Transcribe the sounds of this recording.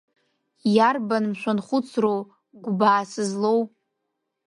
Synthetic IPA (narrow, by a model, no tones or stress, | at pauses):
jarbanmʃʷᶣanχʷʊt͡sʰrow | ɡʷbaːsɨzlow